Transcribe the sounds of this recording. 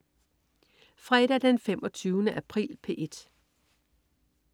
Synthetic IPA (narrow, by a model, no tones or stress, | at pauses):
fʁɛd̥æd̥enfem̰ʔɒ̽t͡sʰyːʊnəʔæpʰʁḭːlpʰe̝ʔe̝d̥